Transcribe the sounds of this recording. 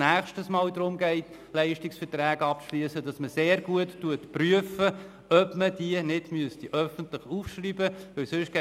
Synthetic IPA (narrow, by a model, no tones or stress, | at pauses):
næːχʃtəsmɑːldɾʊmɡɛɪt | lɛɪʃtɪksfətɾæːɡɑpʃlyəsədɑsməseːɾɡuətːuətpryəfə | œpməd̥iənɪd̥myəstiʔœfəntləχufʃryːbəʋɪlsʏʃɡ̥ɛ